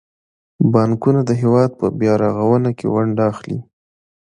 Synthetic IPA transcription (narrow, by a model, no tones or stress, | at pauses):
bɑŋkunad̪əɦewɑd̪̚pəbjɑɾɑɣawənakḛwaɳɖɑxlḭ